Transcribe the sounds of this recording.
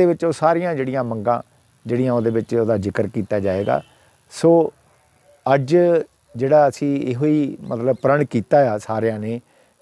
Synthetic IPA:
eːʋɪt͡ʃoːsaːɾɪjãːd͡ʒeːɽɪjãːməŋɡã̰ː | d͡ʒeːɽɪijãːoːd̪eːʋɪt͡ʃoːd̪aːd͡ʒɪkəɾkiːt̪aːd͡ʒaːeːɡa̰ː | soː | əd͡ʒ | d͡ʒeːɽaːəsĩːeɦoːiːmət̪ləbpəɾəɳkiːt̪aːjaːsaːɾjãːneː

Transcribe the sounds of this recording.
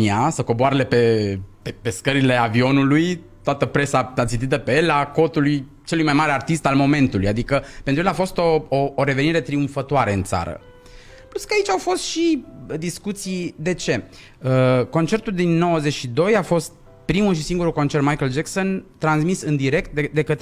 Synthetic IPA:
iasəko̞boaɾele̞pe̞pepe̞skəɾile̞avio̞nulujt̪oat̪əpɾe̞saat̪sint̪it̪əpeelako̞t̪uluj | t͡ʃelujmajmaɾeart̪ist̪almo̞me̞nt̪ulujad̪ikəpenɾjelafo̞st̪o̞oːɾe̞ve̞niɾe̞t̪ɾiuɱfət̪oaɾe̞ɨ̰nt̪sa̰ɾə̰ | plut̪skəait͡ʃawfo̞st̪ʃid̪iskut̪sijd̪e̞t͡ʃe̞ | əko̞nt͡ʃe̞rt̪uld̪inːo̞wəzet͡ʃʃid̪o̞jafo̞st̪̚ | pɾimuʃisiŋɡuɾukont͡ʃe̞rt̪majkəld͡ʒekso̞nt̪ɾansmisɨnd̪iɾe̞kt̪̚d̪ed̪e̞kət̪

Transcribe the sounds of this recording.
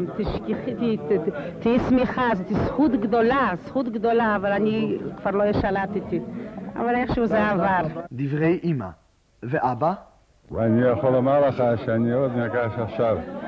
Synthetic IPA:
mt̪iʃkiχt̪it̪iismiχazot̪isχut̪ɡd̪olasχut̪ɡd̪olaːvalanikvaʁlojeʃalat̪it̪ia̰valeχʃuzeavaɾd̪ivʁejʔima̰ | veʔaba | vanijaχolːamaʁleχaʃeaniod̪maɡaʃafʃav

